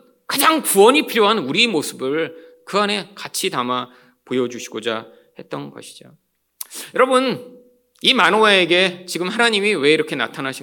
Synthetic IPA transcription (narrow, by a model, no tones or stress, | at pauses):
kad͡ʑaŋpuʌɲipʰiɾjoɦanuɾimosʰɯbɯɭkɯane̞kat͡ɕʰitama | pojʌd͡ʑuɕʰiɡod͡ʑa̰ | he̞t̚t͈ʌnɡʌ̰ɕʰi̥d͡ʑo | jʌɾʌbɯn | imanoaeɡe̞t͡ɕiɡɯmhanaɲimiwe̞iɾʌkʰe̞na̰tʰanaɕʰi